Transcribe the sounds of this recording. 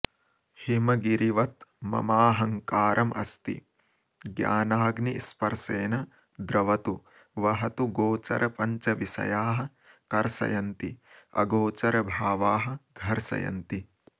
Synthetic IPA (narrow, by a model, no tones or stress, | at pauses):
himɐɡiɾiʋɐt̪mɐ̰maːɦɐŋkaːɾʔɐmʔɐ̰st̪ḭ | ɡja̰ːnaːɡnispɐɾseːnɐ | d̪ɾɐʋɐt̪u | ʋɐɦɐt̪uɡoːt͡ʃɐ̰ɾɐpɐɲt͡ʃɐʋisɐ̰jaːɦɐ̆ | kɐɾsɐ̰jɐnt̪iɐ̰ɡoːt͡ʃɐɾɐbʱaːʋaːɦɐ̆ɡʱɐɾsɐ̰jɐ̰nt̪i